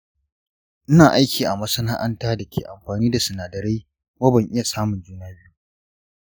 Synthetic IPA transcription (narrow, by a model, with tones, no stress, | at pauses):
ʔɪ˦naː˨ʔa˦jkʲiː˨ʔa˨mɐ˦sɐ˦naː˦ʔa˦ntaː˦dɐ˨kʲʰḛː˨ʔa˨mɸaː˨niː˦da˨sɐ˨naː˨dɐ˨ɾe˦ | waː˦bɐ˨ŋʔɪ˦ja˨saː˦mʊ˨nd͡ʒuː˦naː˦bju˦